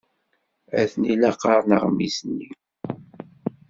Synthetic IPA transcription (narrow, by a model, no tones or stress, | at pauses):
æθnilæqɑɾˤnəʁmḭsənːi